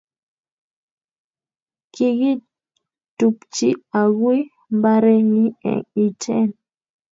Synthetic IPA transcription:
ki˨ɡi˦ | tu˨pt͡ʃi˦a˨ɡwe˦ | mba˦ɾɛ˦ni˦ɛ̰˨ŋi˨t͡ʃɛ˦n

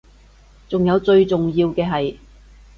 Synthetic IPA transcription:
t͡sʊ˨ŋjɐ˨˧wt͡sɵ˧ɥt͡sʊ˨ŋjiː˧wkɛː˧ɦɐ˨j

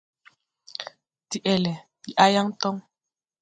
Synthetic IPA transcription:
ti˨ʔɛ˨lɛ˨ti˨ʔa˦ja˦ŋ˦tɔ˦ŋ

